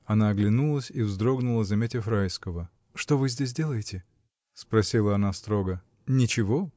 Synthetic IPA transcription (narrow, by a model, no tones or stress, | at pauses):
ɐnaɐɡlʲɪnulˠəsʲivzd̪ɾo̞ɡnʊlˠəzɐmʲetʲɪəfɾajskəvə | ʂt̪o̞vɨzʲdʲes̬ʲdʲe̞lˠəjɪtʲɪ | spɾɐsʲilˠəɐnast̪ɾo̞ɡə | nʲɪt͡ɕɪvo